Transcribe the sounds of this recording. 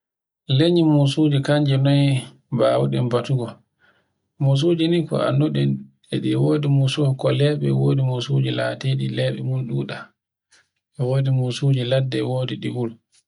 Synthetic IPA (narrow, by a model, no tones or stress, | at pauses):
leɲimusud͡ʒikaɲd͡ʒɛnɔj | ba̰wṵɗɛmbatuɡɔ | mus̬ud͡ʒinikɔ̰a̰nːuɗɛn | ɛɗiwoːdimusukɔlɛːɓɛ̰woːdimusud͡ʒilateɗilɛːɓɛmunɗuːɗa | ɛwoːdimusud͡ʒiladːɛwoːdiɗiwul